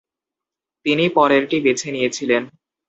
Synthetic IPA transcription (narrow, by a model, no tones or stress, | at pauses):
t̪inipɔɾeɾʈibet͡ɕʰenijet͡ɕʰilen